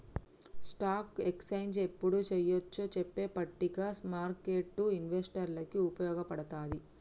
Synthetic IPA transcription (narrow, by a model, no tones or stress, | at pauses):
sʈaːkeksɐjnsepːuɽut͡ʃɛjot͡ʃːot͡ʃepːe̞ːpɐʈːiɡaːsmaːɾke̞ːʈːuinʋesʈɐɾlɐkiupɐjɔːɡɐpɐɽɐt̪aːd̪i